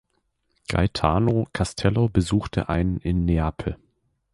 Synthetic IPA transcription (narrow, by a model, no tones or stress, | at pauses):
ɡ̥a̰ɪtʰaːnokʰastʰɛlobəzuːxtʰə̰ʔaɪnənɪnːeaːpʰl̩